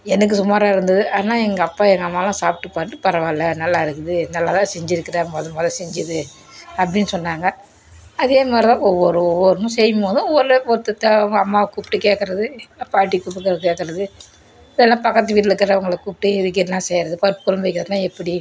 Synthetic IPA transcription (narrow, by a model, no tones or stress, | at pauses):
ɛnɐk̬ːɯsʊmaːɾaːɪɾɯnd̪ɐðɯʔaːnaːɛŋɡɐɐpːaːɛŋɡɐmaːlãːsaːp̚ʈɯpaːʈːɯpɐɾɐʋaːlːɐnɐlːaːɪɾɯkːɯðɯnɐlːaːt̪ãːsɛɲd͡ʒɪɾɯkːɪɾɐmboðɐmɐːðɐsɛɲd͡ʒɯðɯ | ɐpːɐɽɪnːɯsɔnːaːŋɡɐ | ɐðeːmaːd̪ɾɪt̪ãːɔʋːɔɾɯɔʋːɔɾɯnũsɛjɯmoðʊ̃ɔʋːɔɾpɔɾɯt̪ːɐt̪ːɐɐŋɡɐɐmːaːʋkuːpʈɯkeːkːɐɾɐðɯɐpːaːʈ̬ːikuːp̬ːɯkːɾkeːkːɐɾɐðɯ | ɪðɛlːãːpɐkːɐt̪ːɯʋiːʈ̬lɛɯkːɪɾɐʋɐŋɡɐɭkuːpʈːɯɪðɯk̬ːɪlːãːsɛjɾɐðɯpɐɾɯpːɯ̥kɔlɐmʋɐɪkːɪɾɐðt̪ːãːɛpːɐɽi